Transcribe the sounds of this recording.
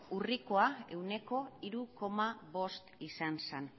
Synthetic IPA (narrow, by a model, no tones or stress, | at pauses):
uriko̞ae̞wne̞ko̞iɾuko̞maβo̞st̪isansen